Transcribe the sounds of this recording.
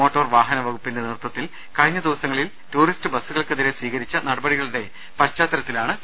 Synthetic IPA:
o̞ːʈːoːrʋaːɦɐnɐʋɐɣupːindenirt̪ːɐt̪ːil | kɐɻiɲːɐd̪iʋɐsɐŋːɐɭil | tuːristɨbɐsːuɣɐɭkɨðiɾesʋiːɣɐɾit͡ɕːɐnɐɽɐbɐɽiɣɐɭuɽe̞ | pɐt͡ɕːaːt̪ːɐɾɐt̪ːilaːɳɨ

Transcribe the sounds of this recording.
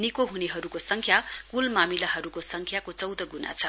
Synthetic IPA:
nikoɦuneɦʌɾukosʌŋkʰjakulmamilaɦʌɾukosʌŋkʰjakot͡sʌwd̪ʌɡuna̰t͡sʰʌ

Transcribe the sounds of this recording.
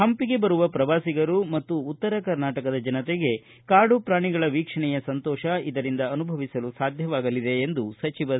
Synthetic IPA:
ɦɐmpiɡe̞bɐɾuʋɐpɾɐʋaːsiɡɐɾumɐt̪ːuːt̪ːɐɾɐkɐɾnaːʈɐkɐd̪ɐd͡ʒɐnɐt̪eɡe̞ | kaːɖupɾaːɳiɡɐɭɐʋiːkʂɐɳɛjɐsɐnt̪ɔːʃɐid̪ɐɾind̪ɐɐnubʱɐʋisɐlusaːd̪ʱjɐʋaːɡɐlid̪e̞ːnd̪usɐt͡ʃiʋɐ

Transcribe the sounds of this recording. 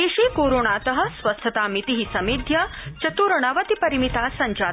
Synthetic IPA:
eːʃiːkoːɾoːɳaːt̪ɐɦɐ̆sʋɐst̪ʰɐt̪aːmit̪iɦisɐmid̪ʱjɐt͡ʃɐt̪uːɾɐɳɐʋɐt̪ipɐɾimit̪aːsɐɲt͡ʃaː

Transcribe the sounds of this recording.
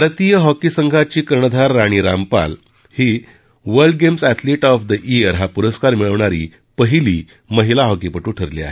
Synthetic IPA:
bʱaɾt̪ijəɦɔkisəŋɡʱat͡ɕiːkəɾɳəd̪ʱaɾːaɽ̃iːɾa̰mpa̰l | hiː | ʋəɾɖ̚ɡemsæt̪ʰliʈɔfd̪əʔiəɾɦapuɾəskaɾmiɭəʋɳaɾḭː | pəɦiliː | məɦilaɦɔkipəʈũːʈʰəɾlḭa̰ɦe

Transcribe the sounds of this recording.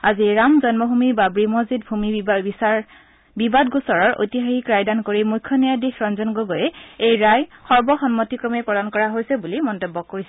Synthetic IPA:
aziɹamzɔnmɔɦumibabɹimozit̚bʱumi | bibadɡusɔɹɔɹo̰jtiɦaxikɹajdankoɹimujkʰːɔnijadixɹɔnzɔnɡoɡɔjɛejɹajxɔɹbɔxɔnmɔtikɹɔmɛpɹɔdankɔɹaɦojsɛbulimɔntebːɔkːoɹisɛ

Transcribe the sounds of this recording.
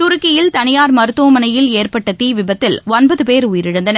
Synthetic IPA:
t̪ʊɾʊkːɪjɪlt̪ɐnɪjaːɾmɐɾɯt̪ːoːmɐnɐjɪleːrpɐʈːɐt̪iːʋɪbɐt̪ːɪlɔnbɐðɯpeːɾʊjɪɾɪɻɯnd̪ɐnɐ

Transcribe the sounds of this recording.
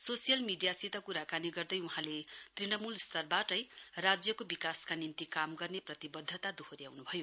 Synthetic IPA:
sosijʌlmiɖijasit̪ʌkuɾakaniɡʌrd̪ʌjuɦãlet̪rinʌmulst̪ʌrbaʈʌjrad͡zjʌkobikaskanint̪ikamɡʌrneprʌt̪ibʌd̪ʱːʌt̪ad̪uɦoɾijawnubʱʌjo

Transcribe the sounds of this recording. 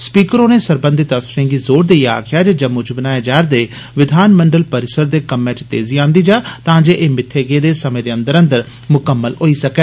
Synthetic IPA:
spiːkəɾoːneːsəɾbə̃nd̪ɪt̪əfsɾẽːɡiːzoːɾd̪eːia̰ːkʰɪjaːd͡ʒeːd͡ʒəmːʊd͡ʒbənaːjeːd͡ʒaːɾd̪eː | ʋɪd̪ʱaːnməɳɖəlpəɾɪsəɾd̪eːkəmːɛ̃ːt͡ʃt̪ḛːziːãːnd̪iːd͡ʒaːt̪ãːd͡ʒeːʔeːmɪt̪ʰːeːɡeːd̪eːsəmẽːd̪eːə̃nd̪əɾə̃nd̪əɾ | mʊkəmːəlɦoːiːsəkɛː

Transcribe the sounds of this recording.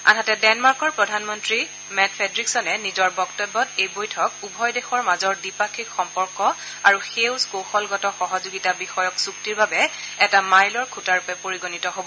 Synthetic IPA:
a̰natɛdɛnmaɹkɔɹpɹɔdʱanmɔntɹi | mɛtpʰɛdɹiksɔnɛnizɔɹbɔktɔbːɔtejbojtʰɔkubʱɔjdexɔɹmazɔɹdipakʰikxɔmpɔɹkɔ | aɹuxewzkowxɔlɡɔtɔxɔɦɔzoɡitabixɔjɔksuktiɹbabɛ | ɛtamajlɔɹkʰutaɹupɛpoɹiɡonitɔɦobɔ

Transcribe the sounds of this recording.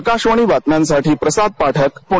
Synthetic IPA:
kaɕʋəɳ̃iːʋat̪njãnsaʈiːpɾəsad̪̚paʈʰəkpu

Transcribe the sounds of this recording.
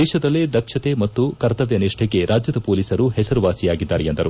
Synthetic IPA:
ɛːʃɐd̪ɐlːed̪ɐkʂɐt̪emɐt̪ːukɐɾt̪ɐʋjɐniʂʈʰɛɡe̞ɾʔaːd͡ʒjɐd̪ɐpoːliːsɐɾuhɛsɐɾuʋaːsijaːɡid̪ːaːɾejend̪ɐɾu

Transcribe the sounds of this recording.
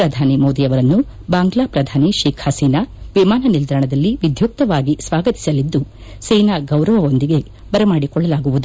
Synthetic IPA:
ɾɐd̪ʱaːnimo̞ːd̪ijɐʋɐɾɐnːu | baːŋɡlaːpɾɐd̪ʱaːniʃeːkʰhasiːnaʋimaːnɐnild̪ɾɐɳɐd̪ɐlːiʋid̪ʱjuk̚t̪ɐʋaːɡisʋaːɡɐt̪i̥sɐlid̪ːu | sejnaɡɐwɾɐʋɐo̞nd̪iɡe̞ | bɐɾemaːɽikɔɭːɐlaːɡuʋud̪u

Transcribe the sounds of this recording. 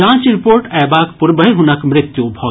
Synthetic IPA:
ãːt͡ʃɾipoːɾʈaːbaːkpuɾbəɦeɦunəkmɾɪt̪jubʱɔː

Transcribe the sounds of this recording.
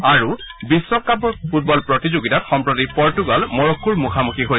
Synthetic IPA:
aɹu | bisːɔkːapɔfʰut̚bɔlpɹotizoɡitatxɔmpɹotipɔɹtuɡalmɔɹokʰːuɹmukʰamukiɦoj

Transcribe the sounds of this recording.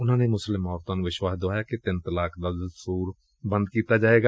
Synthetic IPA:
ʊnɦãːnemʊslɪmɔːɾt̪ãːnʋɪʃwaːsd̪oaːjaːket̪ɪnt̪əlaːkʰd̪ad̪suːɾ | bə̃nd̪̚kiːt̪ad͡ʒaːeːɡa

